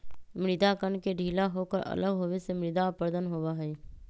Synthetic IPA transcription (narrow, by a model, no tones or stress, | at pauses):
mɾɪd̪akənkeɖʱiːlaɦoːkəɾʔə̰ləɡɦoːʋesemɾɪd̪apəɾd̪ənɦoːʋaɦɛi